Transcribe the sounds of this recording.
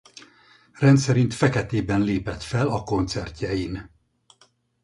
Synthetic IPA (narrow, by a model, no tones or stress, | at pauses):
rɛnt̪sɛɾint̪fɛkɛt̪eːbɛnleːpɛt̪fɛlɒko̞nt̪sɛrc̪ɛjin